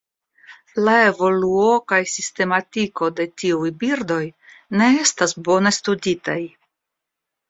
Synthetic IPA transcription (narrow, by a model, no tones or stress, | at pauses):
lae̞vo̞luo̞kajsiste̞matiko̞de̞tiujbiɾdo̞j | ne̞estasbo̞ne̞studitaj